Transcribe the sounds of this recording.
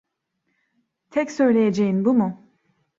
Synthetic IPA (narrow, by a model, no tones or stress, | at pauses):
t̪ʰɛcsø̞jlʲe̞jed͡ʒejinbumʊ